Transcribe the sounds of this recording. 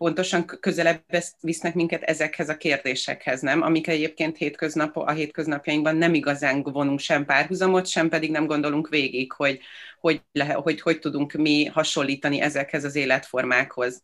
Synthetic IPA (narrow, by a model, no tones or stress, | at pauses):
po̞nt̪o̞ʃɒŋkø̞zɛlɛbːɛsʋisnɛkmiŋkɛt̪ɛ̰zɛkhɛzɒkeːrd̪eːʃɛ̰khɛznɛmɒ̰mikɛɟeːp̚keːnt̪heːt̪kø̞znɒpɒ̰ɦeːt̪̚kø̞znɒpjɒjiŋɡbɒnːɛmiɡɒzaːŋvo̞nuŋkʃɛmpaːrɦuzɒmo̞t̪ʃɛmpɛd̪iɡnɛmɡo̞nd̪o̞luŋkʋeːɡikho̞ɟho̞lɛɦho̞cho̞ct̪ud̪uŋkmihɒʃo̞lːiːt̪ɒniʔɛzɛkhɛzɒzeːlɛt̪fo̞rmaːkho̞z̥